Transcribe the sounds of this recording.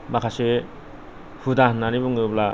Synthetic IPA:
makʰase | hudaɦnːaɾibɔŋɯbla

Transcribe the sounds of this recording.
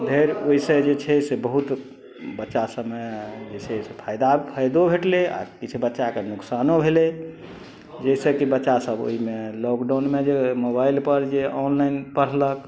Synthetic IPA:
d̪ʱeɾoisẽd͡ʒet͡ʃʰɛsebəɦut̪ | bətːʃasəbmed͡ʒet͡ʃʰɛsepʰajd̪apʰajd̪obʱeʈlea̰kit͡ʃʰubətːʃakenuksanobʱele | d͡ʒɛsekibətːʃasəbo̰ɦimelɔkɖanmed͡ʒemobailpəɾd͡ʒeɔnlainpəɽ̤lək

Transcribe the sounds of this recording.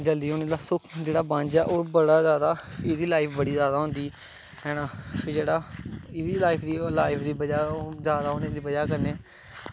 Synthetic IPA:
d͡ʒəld̪iːɦoːneːd̪aːsʊkʰd͡ʒeːɽaːbãːnd͡ʒɛːʔoːbəɽaːzjaːd̪aːɪd̪iːlaːɪpʰbəɽiːzjaːd̪aːɦʊ̃nd̪iː | ɦɛːnãːpʰɪɾd͡ʒeːɽaːɪd̪iːlaːɪpʰd̪iːlaːɪpʰd̪iːbəd͡ʒaːzjaːd̪aːɦonẽːd̪iːbəd͡ʒaːkəɾneː

